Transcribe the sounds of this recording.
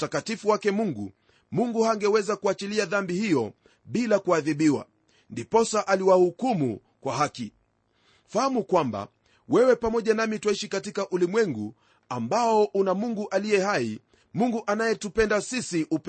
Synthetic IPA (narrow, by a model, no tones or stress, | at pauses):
utakatifuwakɛmuŋɡṵ | muŋɡuhaŋɡɛwɛzakuat͡ʃiliaðambihijɔ | ɓilakuaðiɓiwa̰ | ndipɔsaʔaliwahukumṵ | kwaɦaki | fahamukwamba̰ | wɛwɛpamɔʄanamitwaiʃikatikaʔulimwɛŋɡṵ | ambaɔʔunamuŋɡuʔalijɛɦai | muŋɡuʔanajɛtupɛndasisiʔup